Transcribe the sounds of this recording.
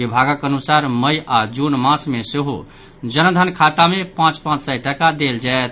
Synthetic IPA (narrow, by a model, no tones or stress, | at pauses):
ibʱaɡəkənusaɾməjad͡ʒunmãsmeseɦo̰ | d͡ʒənd̪ʱənkʰat̪amepãt͡ʃpãt͡ʃsəjʈəkad̪eld͡ʒaet̪̚ʰ